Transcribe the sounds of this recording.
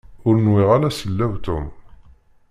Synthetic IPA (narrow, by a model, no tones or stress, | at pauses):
ʊɾənwɪʁalæsəlːæwt̪ʊm